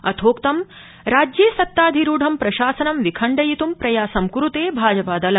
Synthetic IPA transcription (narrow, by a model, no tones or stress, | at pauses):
ɐt̪ʰoːkt̪ɐm | ɾaːd͡ʒjeːsɐt̪ːaːd̪ʱiɾuːɖʱɐmpɾɐʃaːsɐnɐmʋikʰɐɳɖɐjit̪umpɾɐjaːsɐmkuɾut̪eːbʱaːd͡ʒɐpaːd̪ɐlɐ